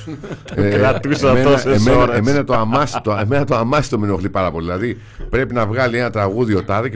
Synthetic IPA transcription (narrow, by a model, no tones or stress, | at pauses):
eɾɐt̪usmeoemeeme̞nɐt̪oɐmɐst̪oeme̞nɐt̪oɐmɐsi̥t̪ominoxlipɐɾɐpo̞liðilɐði | pɾe̞pinɐvɣɐlie̞nɐt̪ɾɐɣuðio̞t̪ɐðice